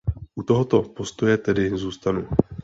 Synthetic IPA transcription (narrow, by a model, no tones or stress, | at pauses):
ʔut̪oɦot̪o̞po̞st̪o̞jɛt̪ɛdɪzuːst̪anu